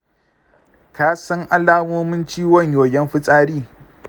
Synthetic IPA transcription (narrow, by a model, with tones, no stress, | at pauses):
kaː˦sɐ˦ŋʔa˦laː˦moː˦mɪ˦nt͡ʃiː˦wɔ˦ɲjoː˨jʲɛ˦mɸɪ˦sʼaː˦ɽiː˦˨